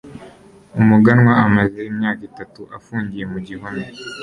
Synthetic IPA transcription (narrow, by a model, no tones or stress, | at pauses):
umuɡanwaamazeimɲaːkitatuʔafuːɲɟije̞muɟiɦune